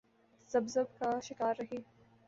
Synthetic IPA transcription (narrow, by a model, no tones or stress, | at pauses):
z̥ɐbzɐbkaʃɪkaːɾːɐɦiː